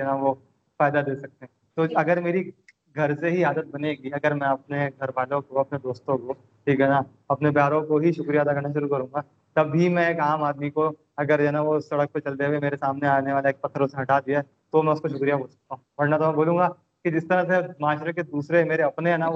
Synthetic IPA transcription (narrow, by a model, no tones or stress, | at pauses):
ɛnaʋo | faːɪd̪ad̪eːsɐk̚t̪eɦɛ̃ː | t̪oɐɡəɾmeːɾi | ɡʱɐɾseɦiaːd̪ət̪̚bɐneɡiɐɡəɾmɛ̃ɐp̚neɡʱɐɾbaːlõkoɐpned̪oːst̪õko | ʈʰiːkɦɛːna | ɐpnebjaːɾõkoɦiʃʊkɾijad̪akɐɾnaʃ̬ʊɾukɐɾũːŋɡa | t̪ɐbʱɦimɛ̃eːkaːmaːd̪miko | ɐɡəɾɛːnaʋosɐɽək̚pet͡ʃɐlt̪eʋemeːɾesaːmneaːneʋaːleeːk̚pɐt̪ʰːəɾõseɦɐʈaːd̪iaɛ | t̪omɛ̃ʊskoʃʊkɾijaboːlsɐ̥k̚t̪aɦũbɐɾnat̪omɛ̃boːlũːŋɡa | kid͡ʒɪst̪ɐɾãsemaːʃɾeked̪uːsɾemeːɾeɐpneɦɛːna